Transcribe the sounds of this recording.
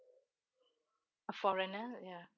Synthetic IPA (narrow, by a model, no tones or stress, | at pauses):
əfɔɹɛnəja